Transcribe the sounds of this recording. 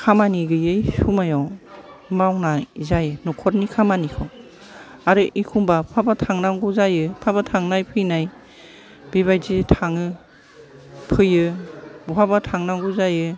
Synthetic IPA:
kʰamaniɡɯjɯjsumajaw | mawnajzajɯnɔkʰɔɾnikʰamanikʰɯw | aɾɯʔikʰumbapʰabatʰaŋnaŋɡuzajɯpʰabatʰaŋnajpʰɯjnaj | b̥iβajzitʰaŋɯ | pʰɯjɯbupʰabatʰaŋnaŋɡuzajɯ

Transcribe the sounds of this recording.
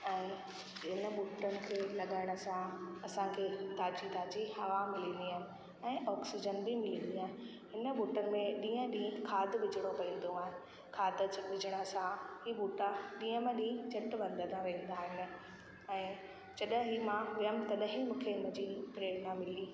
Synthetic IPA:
ɛ̃ː | ɪnə̆ɓuːʈənɪ̆kʰeːlɐɠaːɪɽ̃ʊ̆sãɐsãkʰeːt̪aːd͡ʑid̪aːd͡ʑihɐʋamɪlĩːnd̪iaːnɪ̆ | ɛ̃ːɔːksid͡ʑənbʱimɪlĩːnd̪iaːɦɪn | ɦɪnəɓuːʈənɪ̆mẽɗĩːə̃ɗĩːkʰaːd̪ʱɓɪd͡ʑʱɪɽ̃opɐĩːn̆d̪oaːɦɪ̃nɪ̆ | kʰaːd̪ʱəd͡ʑɓɪd͡ʑɪɽ̃əsãɦibuːʈaɗĩːə̃mẽɗĩːd͡ʑɐʈʋɐ̃nd̪ʱət̪ʰãʋẽːnd̪aːɦɪnɪ̆ | ɛ̃ː | d͡ʑɐɗɦimãʋəmt̪ɐɗəɦimũːkʰeɪnə̃d͡ʑipɾeːɽnãmɪliː

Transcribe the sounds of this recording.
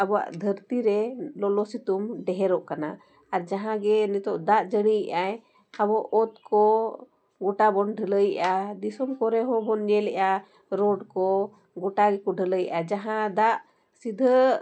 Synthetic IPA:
abɔwa̰ʔd̪ʱəɾt̪iɾɛlɔlɔsit̪umɖɛɦɛɾɔʔkana̰ | aɾd͡ʒaɦãɡɛnɛt̪ɔʔd̪aʔd͡ʒəɽ̃ijʔaj | abɔʔːt̪kɔ | ɡɔʈabɔnɖʱələjʔad̪isɔmkɔɾɛɦɔ̃bɔnɲɛlɛʔa | ɾɔɖkɔ | ɡɔʈaɡɛkɔɖʱələj̰ʔad͡ʒaɦãd̪aʔ | sid̪ʱə

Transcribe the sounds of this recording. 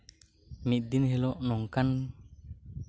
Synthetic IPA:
miʔ̚d̪inɦelɔʔnɔŋkan

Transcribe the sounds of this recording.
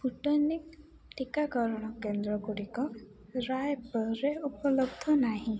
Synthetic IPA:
puʈɔnik | ʈikakɔɾɔɽ̃ɔkend̪ɾɔɡuɽikɔ | ɾajpɔɾeupɔlɔbd̪ʱɔnaɦĩ

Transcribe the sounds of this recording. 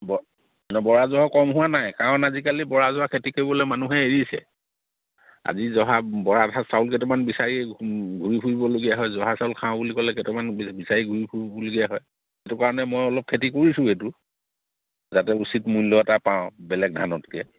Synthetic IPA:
bɔ | nɔbɔɹazɔakɔmɦʊwanajkaɹɔ̃nazikalibɔɹazʊwakʰetikoɹibɔlojmanuɦɛeɹisɛ̰ | a̰zizɔɦabɔɹadʱasawlk̬ɛtɛmanbisaɹiɡʱuɹipʰuɹibɔloɡijaɦɔjzɔɦasaʊlkʰãʊ̃bulikɔlɛkɛtɛmanbisaɹiɡʱuɹipʰuɹibɔloɡijaɦɔj | etʊkaɹɔnɛmɔjɔlɔp̚kʰetikoɹisʊ̃etʊ | zatɛusitmujlːɔɛtapãʊ̃bɛlɛk̚dʱanɔtkɛ

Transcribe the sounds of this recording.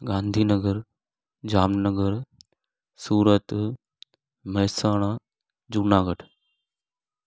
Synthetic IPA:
ɡãːnd̪ʱiːnəɡəɾ | d͡ʑaːmnəɡəɾ | suːɾət̪ | məɦsaːɽ̃ãː | d͡ʒuːnaːɡəʈʰ

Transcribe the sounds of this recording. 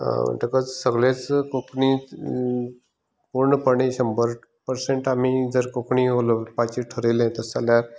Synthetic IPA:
ʈ̪əkət͡ssəɡlẽt͡skokɳi | puɾɳəpəɳiɕəmbəɾ | pəɾseɳʈamid͡zəɾkokɳiɦolopat͡ɕiʈʰəɾelẽt̪əsaljaɾ

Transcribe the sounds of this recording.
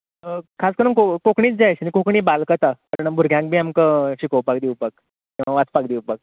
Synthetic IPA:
əkʰaskəɾuŋkokokɳiːt͡sd͡zajt͡ɕnikokɳiːbalkət̪apəɾəɳbʱuɾɡʱjãk̚bʱiːamkəɕikowpakd̪iwpak | kĩʋaʋat͡spak̚d̪iwpak̚

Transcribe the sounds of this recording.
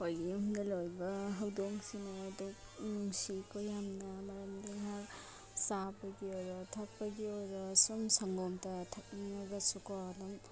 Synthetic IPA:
hojɡimdɐlojbɐɦɐwdoŋsinaːduk | nuŋsikʰojamnɐmɐɾɐmdiŋɦak | sabɐɡiɔɾɔtʰɐk̚pɐɡiɔɾɔsumsɐŋɡɔŋtɐtʰɐk̚ninɐɡɐsukɔdɔŋ

